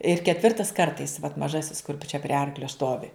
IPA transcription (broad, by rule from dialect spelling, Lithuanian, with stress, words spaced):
ɪr kʲɛtʲˈʋʲɪrtɐs ˈkɐrtɐɪs ʋɐt mɐˈʒɑːsʲɪs kʊr t͡ʃʲɛ pʲrʲiɛ ˈɐrklʲoː ˈstoːʋʲɪ